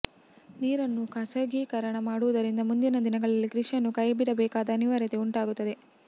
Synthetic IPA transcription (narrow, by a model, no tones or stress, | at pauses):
niːɾɐnːukɐsɐːɡikɐɾɐɳɐmaːɽuʋud̪ɐɾind̪ɐmund̪inɐd̪inɐɡɐɭɐlːikɾiʂijɐnːukɐjɐbiɽɐbɛːkaːd̪ɐːniʋaːɾjɐt̪e̞uɳʈaːɡut̪ːɐd̪e̞